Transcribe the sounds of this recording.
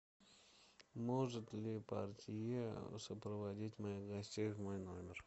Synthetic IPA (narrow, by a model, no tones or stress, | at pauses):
moʐɨt̪lʲɪpa̰rtʲɪjəsəpɾəvɐdʲitʲmɐjixɡɐsʲtʲejvmojnomʲɪr